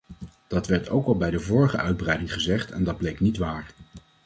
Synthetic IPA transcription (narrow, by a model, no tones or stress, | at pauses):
d̥ɑtʋɛɹtʰowkɑlˠbɛjdəvʊːɹəχəʔœɥd̚brɛjdɪŋχəzɛχtɛ̰ndɑd̚blejknitʋaːɹ